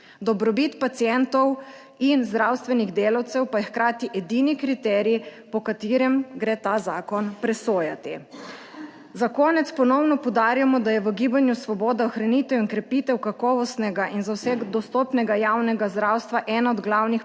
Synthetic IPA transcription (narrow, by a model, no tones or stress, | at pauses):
d̪ɔbɾɔbit̪pat̪siɛnt̪ɔw | inzd̪ɾaːwst̪ʋɛniɣd̪eːlawt̪sɛwpajɛxkɾaːt̪iʔɛd̪iːnikɾit̪ɛɾipɔkat̪iɾɛmɡɾeːt̪azaːkɔnpɾɛsoːjat̪i | zakɔːnɛt̪spɔnɔwnɔpɔwd̪aːɾjamɔd̪ajɛʋəɡiːbanjusʋɔbɔːd̪aɔxɾanit̪ɛwinkɾɛpiːt̪ɛwkakɔːʋɔst̪nɛɡaʔinzawsɛɡd̪ɔst̪ɔpnɛɡajaːwnɛɡazd̪ɾawst̪ʋaʔɛːnaɔd̪ɡlawnix